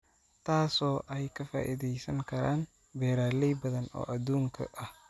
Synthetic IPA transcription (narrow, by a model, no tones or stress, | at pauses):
t̪ʰaːsɔːʔɛjkʰɐfa̰ːʔiðɛjsɐŋkʰɐɾaːn | bɛːɾaːlɛjbɐðɐnɔ̰ːʔɐd̪uːŋkʰɐ̰ʔɐh